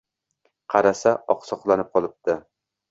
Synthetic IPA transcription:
qʰɑɾasaʔɒqsɒqlˠanɪp̚qʰɒlˠɪp̚t̪ɪ

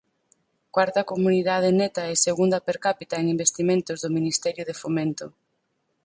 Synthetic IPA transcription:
kwaɾt̪ɐkomuniðað̞enet̪ɐɛseɣund̪ɐpeɾkapit̪aeŋimbest̪imẽnt̪ozðʊminist̪ɛɾjʊðefomẽnt̪ʊ

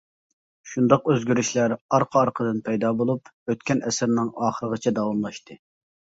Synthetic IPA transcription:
ʃund̪ɑqøzɡʲyɾyʃlæɾɑɾqʰəɑɾqʰəd̪ɨnpʰɛjd̪ɑːbolˠupøt̪̚kʲɛnɛsɪɾnɪŋɑːχəɾəʁət͡ʃʰɛd̪ɑwɑmlˠɑʃt̪ʰɨ

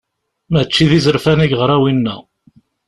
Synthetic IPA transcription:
mət͡ʃːiðizəɾfæniʝʁəɾˤæwinːæ

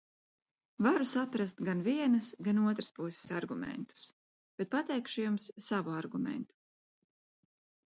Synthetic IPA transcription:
vaɾusapɾast̪ɡanviɛnɐsɡanuɔt̪ɾaspusɪ̥saɾɡumɛ̰nt̪u̥s | b̥et̪̚pat̪ɛjkʃujumsːavuaɾɡumḛnt̪u̥

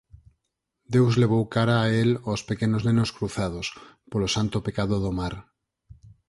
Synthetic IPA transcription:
d̪ewzleβ̞owkaɾaːelospekenoznenoskɾuθað̞os | polosant̪opekaðoðomaɾ

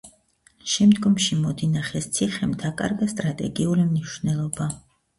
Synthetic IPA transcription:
ʃɛmd̪ɡɔmʃimɔd̪inaχɛst̪sʰiχɛmd̪akʼa̰ɾɡast̪ʼɾat̪ʼɛɡiulimniʃwnɛlˠɔba

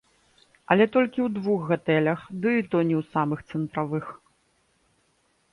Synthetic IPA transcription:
ɐlʲɛt̪ɔlʲkʲiwd̪vuxɣat̪ɛlʲɐxd̪ɨit̪ɔnʲiwsamɨxt̪sɨnt̪ɾavɨx

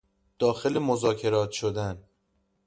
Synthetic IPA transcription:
d̪̥ɒːxe̞lemozɒːcʰe̞ɾɒːt̪ʰʃod̪æn

